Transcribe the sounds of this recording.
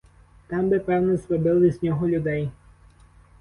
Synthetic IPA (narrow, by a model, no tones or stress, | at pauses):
t̪ɑmbɪpɛwnɛsʋɔbɪlˠizʲnʲɔɦɔlʲʊd̪ɛj